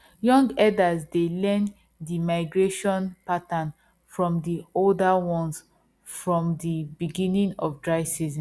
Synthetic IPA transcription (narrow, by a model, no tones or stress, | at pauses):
jɔ̃ŋɡɛdazdelɛ̃n | dimaɪɡɹeʃɔ̃npatãn | fɹɔ̃mdioldawɔ̃ns | fɹɔ̃mdibiɡĩnĩŋɔfdɹaɪsizĩ